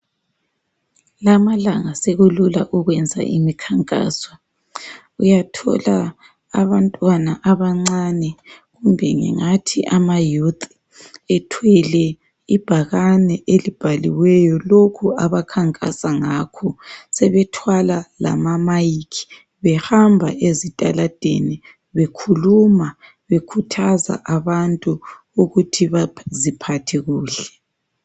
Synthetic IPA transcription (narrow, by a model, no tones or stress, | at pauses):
lamalaŋaseɣululaʔɔɣwɛnd͡zʱa̰ʔḭmikʰaŋkʼa̰ːswa | ujatʰɔ̰la | a̰βantʼwanaʔaβaŋ͡ǀanɛɣumbʱɛŋɛ̰ŋatʰiʔamajutʰʼ | ɛtʰwɛlɛ | ib̥ʱaɣanɛʔelib̥ʱalḭwɛjɔlokʰuaβakʰaŋkʼasaŋaːkʰɔsɛβɛtʰwalala̰mamajikʰi̥ | βɛhambʱa̰ʔezitʼalad̥ʱḛni | βekʰuluma | βekʰutʰaza̰ʔaβantʼu | uɣutʰiβazipʰatʰɛɣuːɬɛ̥